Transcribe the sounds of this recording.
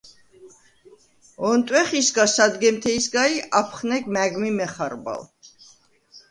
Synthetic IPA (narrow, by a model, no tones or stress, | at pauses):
ɔnt̪ʼwɛχisɡasad̪ɡɛmt̪ʰɛisɡaiʔapʰχnɛkmæɡmimɛχaɾba̰l